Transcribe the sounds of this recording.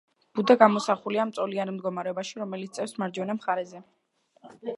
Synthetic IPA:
b̥ud̪aɡamɔsaχuliamt̪sʼɔlianmd̪ɡɔmaɾɛɔbaʃiɾɔmɛlit̪st̪sʼɛfsmaɾd͡ʒɔnamχaɾɛzɛ

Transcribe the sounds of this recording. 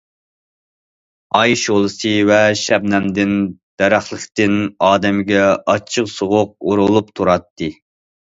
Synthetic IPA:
ɑjʃolˠɨsɨvɛʃɛbnɛmd̪ɪnd̪̥æɾæχlˠəχt̪ɪnɑːd̪ɛmɡʲɛɑt͡ʃʰːɨqsoʁʊq̚uɾulˠupt̪ʰuɾɑt̪ʰːɨ

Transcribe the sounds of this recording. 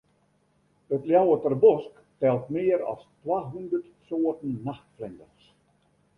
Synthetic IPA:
ətljawətərbɔsk | tɛlˠtmɪəɾɔ̰stwaːɦundərt | soːətən̩ːaxtflɪndəns

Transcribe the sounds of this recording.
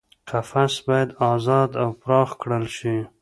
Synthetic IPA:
qafasbɑjad̪ɑzɑd̪awpɾɑxkɽəlʃi

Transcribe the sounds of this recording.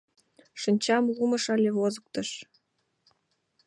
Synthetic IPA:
ʃɤ̆nʲt͡ɕɑmlumɤ̆ʃɑlʲeβozɤ̆k̚t̪ɤ̆ʃ

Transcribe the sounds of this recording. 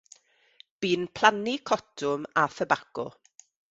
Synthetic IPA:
b̥iːnpʰl̥ˠanikʰɔtʰʊmaθəbakɔ̰

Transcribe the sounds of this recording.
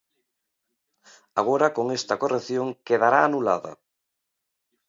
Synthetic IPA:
aɣ̞oɾakoŋest̪ɐkorekθjoŋkeðaɾaːnula̰ðɐ̰

